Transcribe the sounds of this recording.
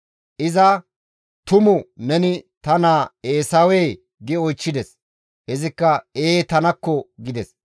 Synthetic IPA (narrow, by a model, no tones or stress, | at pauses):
ʔɪzɐ | t̪ʊmʊnɛnɪt̪ɐnaːeːsɐwɛj | ɡɪɔjt͡ʃːɪd̪ɛs | hɛzɪkːɐeːt̪ɐnɐkːɔɡɪd̪ɛs